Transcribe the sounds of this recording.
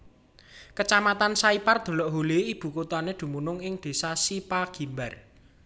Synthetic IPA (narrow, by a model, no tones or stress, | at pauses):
kət͡ʃamat̪ansaipard̪̥o̤lɔʔɦoleib̥ṳkut̪ɔaned̪̥ṳmunʊŋɪŋd̪̥e̤sasipaɡ̥i̤mbar